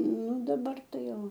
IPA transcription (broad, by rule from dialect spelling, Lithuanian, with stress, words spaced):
ˈnʊ dɐˈbɐr ˈtɐɪ ˈjoː